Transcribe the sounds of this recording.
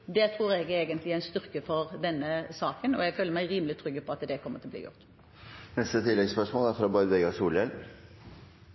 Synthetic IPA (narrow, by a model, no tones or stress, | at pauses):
d̪ɛt̪ʰɾuːɾɛɡɾeːɡənt̪lɪɾæɪnst̪ʏɾkəfɔɾd̪ɛnːəsɑːkənɔjɛɡføːləɾmæɪɾiːməlɪt̪ʰɾʏɡːəpʰɔɑt̪d̪ɛkʰɔmːəʁt̪ɪlɔblḭːjʊ̰ʁt̪ | nɛst̪ət̪ʰɪlːɛɡspœʂmoːlæɾfɾɑbɑɾʋɛɡɑsuːlɛl